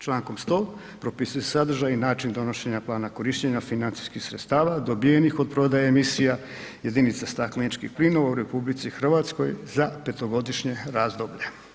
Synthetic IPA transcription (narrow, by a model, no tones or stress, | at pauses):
t͡ʃlˠaːŋko̞mst̪o̞ː | pɾo̞pisujesad̪r̩ʒajinaːt͡ʃind̪o̞no̞ʃe̞ɲaplˠaːnako̞ɾiʃt͡ɕeɲafinant̪i̥skixsɾet̪st̪aːʋad̪o̞bije̞nixo̞d̪̚pɾo̞d̪ajaemisija | jed̪init̪sast̪aklenit͡ʃkḭxplino̞ʋauɾe̞publit̪sixr̩ʋat̪sko̞jzape̞t̪o̞ɡo̞d̪iʃɲe̞ɾaːzd̪o̞bʎe̞